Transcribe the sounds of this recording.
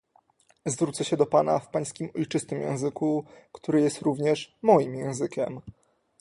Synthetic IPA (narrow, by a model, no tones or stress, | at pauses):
zvɾut̪sɛɕɛd̪ɔpana̰fpaj̃skʲimɔjt͡ʂɘst̪ɘmjɛ̰̃w̃zɘkukt̪uɾɘjɛst̪ɾuvɲɛʂmɔjimjɛ̃w̃zɘkʲɛm